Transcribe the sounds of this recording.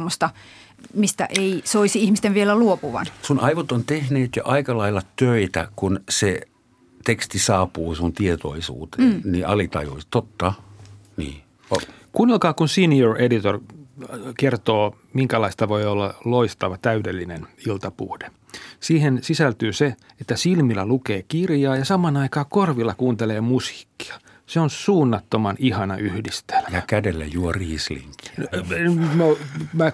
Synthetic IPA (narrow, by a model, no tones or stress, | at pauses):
mːost̪ɑ | mist̪æ̰ʔeisoisiihmist̪eʋʋielæluopuʋɑ̰nsunʔɑiʋot̪ont̪ehneːt̪joʔɑikɑlɑilːɑt̪øit̪æ̰kunse | t̪ekst̪isɑːpuːsunt̪iet̪o̰isṵːt̪enniʔɑlit̪ɑ̰jo̰ist̪ot̪ːɑ | nḭː | ʋɑ | kunilkɑːkunsinioredit̪or | kert̪oː | miŋkælɑist̪ɑʋoiolːɑloist̪ɑʋɑt̪æydelːinenilt̪ɑpṵːde̥ | siːhensisælt̪yːse | et̪ːæsilmilːælukeːkirjɑːjɑsɑmɑnɑikɑːkorʋilːɑkuːnt̪eleːmusi̥ːkːi̥ɑ̥ | seonsuːnːɑt̪ːomɑnihɑnɑʔyhdist̪e̥lmjɑækædelːæ̰juɔriːslḭŋki̥enomæ